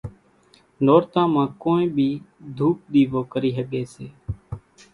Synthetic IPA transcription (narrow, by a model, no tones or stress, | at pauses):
noːɾt̪ãːmãːkoːẽːbʱiːd̪ʱuːp̚ɗ̪iːʋoːkəɾiːɦəɠeːseː